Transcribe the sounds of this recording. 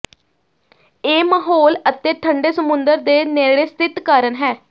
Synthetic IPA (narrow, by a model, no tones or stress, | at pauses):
eːmaɦoːlət̪eːʈʰəɳɖeːsəmʊ̃nd̪əɾd̪eːneːɽeːst̪ɪt̪kaːɾənɦɛː